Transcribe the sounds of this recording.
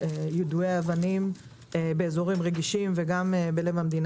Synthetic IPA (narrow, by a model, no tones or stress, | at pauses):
ejud̪ueaavanim | ebeːzo̞ʁimʁeɡiʃimveɡamebelevamd̪in